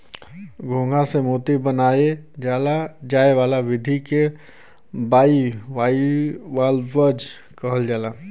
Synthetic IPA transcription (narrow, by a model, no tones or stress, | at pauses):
ɡʱõːŋɡasemoːt̪ibənaːed͡ʒaːlad͡ʒaːeʋaːlaʋɪd̪ʱike | baːiʋaːiwaːlʋəd͡ʒ | kəɦəld͡ʒaːlaː